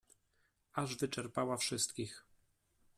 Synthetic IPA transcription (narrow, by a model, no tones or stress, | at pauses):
aʐvɘt͡ʂɛɾpawafʂɘst̪kʲix